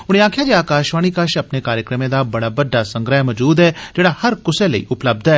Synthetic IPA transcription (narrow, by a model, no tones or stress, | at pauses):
ʊɽ̃ẽaːkʰjaːd͡ʒeaːkaːʃʋaːɽ̃ikaʃɐpnekaːɾjəkɾəmẽd̪aːbɐɽaːbəɖːasə̃ŋɡɾəmɔd͡ʒuːd̪ɛːd͡ʒeːɽaːhɐɾkʊseləḭːʔʊpləb̚d̪ɛː